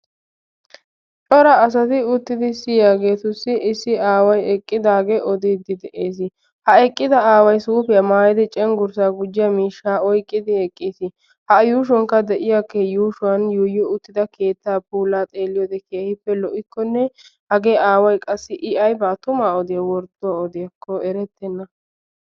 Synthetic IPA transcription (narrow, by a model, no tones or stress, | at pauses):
t͡ʃʼɔɾɐːs̬ɐt̪ɪʊt̪ːɪd̪ɪsɪjaːɡe̞ːt̪ʊsːɪʔɪsːɪaːwɐjɛkʼːɪd̪aːɡeʔɔd̪iːd̪ɪd̪ɛʔeːs̬ɪ | hɐɛkʼːɪd̪ɐaːwɐjsuːpɪjɐmaːjɪd̪ɪt͡ʃʼɛŋɡʊɾsaːɡʊd͡ʒːɪjɐmiːʃːaːɔjkʼːɪd̪ɪɛkʼːisɪ | hɐjuːʃ̬ɔŋkːɐd̪ɛʔɪjakːɛjuːʃʊɐnjuːjɔʊt̪ːɪd̪ɐke̞ːt̪ːaːbuːlaːt̪ʼe̞ːlːɪjɔd̪ɛkeːhɪpːɛlɔʔɪkːɔnːɛhɐɡe̞ːaːwɐjkʼɐsːɪʔɪʔɐjbaːt̪ʊmaːɔd̪ɪjɐwɔɾd̪ɔaɔd̪ɪjɐkʰːɔʔɛɾɛt̪ːɛnːɐ